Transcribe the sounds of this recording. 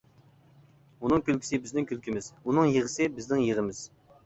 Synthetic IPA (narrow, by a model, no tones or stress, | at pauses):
unɨŋkʲʰylkʲi̥sɪbɪznɪŋkʲʰylkʲimɪz̥unɨŋjeʁəsɪbɪznɪŋjeʁəmɪz̥